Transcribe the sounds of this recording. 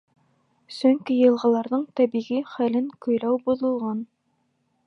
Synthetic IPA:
sɵ̆ŋkijɤ̆lˠʁɑ̆lˠɑɾðɤɴt̪æbiʁiχælɘŋkɵ̆jɾæwbuðɤ̆lˠʁɑn

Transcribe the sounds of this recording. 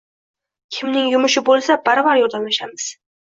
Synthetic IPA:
kʲʰɪmnɪŋjʊmʊʃɪbolˠsabaɾɒbaɾjɒɾd̪anlaʃamɪz̥

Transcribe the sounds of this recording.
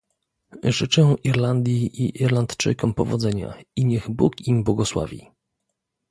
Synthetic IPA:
ʐɘt͡ʂɛ̃ʔiɾland̪ʲjiʔiʔiɾlant̪t͡ʂɘ̰jkɔmpɔvɔd̪zɛɲa̰iɲɛɣbukimbwɔɡɔswa̰vʲḭ

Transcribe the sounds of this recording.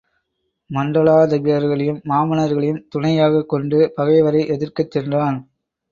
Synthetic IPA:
mɐɳɖɐɭaːd̪ɐbɪjɐɾɣɐɭɪjɯmːaːmɐnɐɾɣɐɭɐjɯmt̪ʊɳɐjaːɣɐkːɔɳɖɯpɐɣɐɪʋɐɾɐɪʔɛðɪrkɯt̪ːɛndraːn

